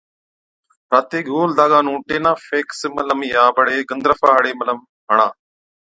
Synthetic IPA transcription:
ɾaːt̪eːɡoːld̪aːɡaːnũːʈeːnãːfeːksmələmjaːbəɽeːɡənd̪ɾəfaːɦəɽeːmələm | ɦəɳ̃aː

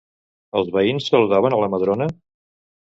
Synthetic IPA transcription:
əlˠzβəinsːəluðaβ̞ənələməð̞ɾonə

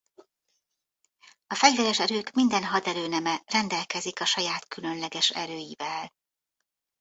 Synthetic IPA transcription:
ɒfɛɟvɛɾɛʃɛɾøːkmind̪ɛnɦɒd̪ɛɾøːnɛmɛrɛnd̪ɛlkɛzikɒʃɒjaːt̪kylø̞nlɛɡɛʃɛ̰ɾøːjivɛl

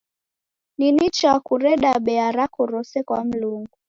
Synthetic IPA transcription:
ninit͡ʃakuɾɛɗaɓɛaɾakɔɾɔsɛkwam̩luŋɡu

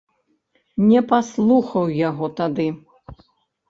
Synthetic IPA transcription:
nʲɛpaslˠuxɐwjaɣɔt̪ad̪ɨ

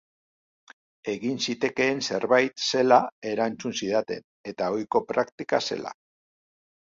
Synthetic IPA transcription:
e̞ɣinsit̪e̞ke̞ːnse̞ɾβajt̪se̞lae̞ɾant͡sunsiðat̪e̞̰n | e̞t̪ao̞jko̞pɾakt̪ikase̞̰la̰

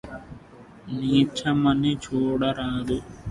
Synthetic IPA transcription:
niːt͡ʃʰɐmɐnit͡ʃʰoːɽɐɾaːd̪u

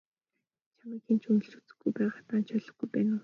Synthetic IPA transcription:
t͡ɕʰamiːxent͡ɕʰunɵ̆ɬt͡ɕu̥t͡sɘ̥̆ɡujpæːʁat̪aːnt͡ɕʰœɮɞ̆ɡujpæːnʊː

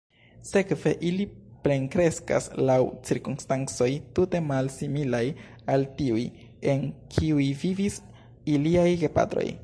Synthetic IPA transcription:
se̞kve̞ʔilipɾe̞ŋkɾe̞ska̰slawt͡siɾkunstant͡so̞jtute̞malsimilaj | altiuj | e̞nkʰiujvivis | iliajɡepa̰tɾo̞̰j

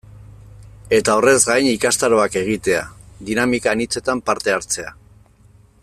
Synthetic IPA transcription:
e̞t̪ao̞re̞zɡajnikast̪aɾo̞ake̞ɣ̞it̪e̞ad̪inamikaːnit͡se̞t̪ampaɾt̪e̞aɾt͡se̞a

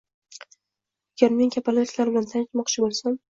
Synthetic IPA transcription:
aɡʲaɾme̞ŋkʲʰapʰalajt̪laɾbɪlant̪ʰant͡ʃmɒqt͡ʃʰɪbolˠsam

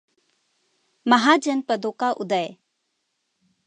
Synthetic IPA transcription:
məɦad͡ʒənpəd̪okaʔud̪əj

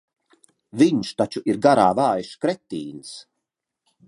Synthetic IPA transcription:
viɲʃt̪at͡ʃuʔiɾɡaɾaːvaːjʃkɾɛt̪ːiːns

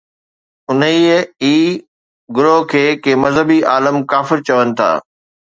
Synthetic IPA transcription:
ʊniəiː | ɡʊɾokʰeːkeːmɐzɦəbiʔaːləmkaːfɪɾt͡ɕɐʋənɪ̆t̪ʰa̰ː

